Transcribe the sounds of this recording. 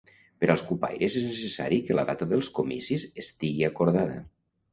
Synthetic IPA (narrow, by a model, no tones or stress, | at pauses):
pəɾʔalˠskupa̰jɾʔezeznesəsa̰ɾikələðat̪əðəlˠskomisizest̪iɣiakoɾðaðə̰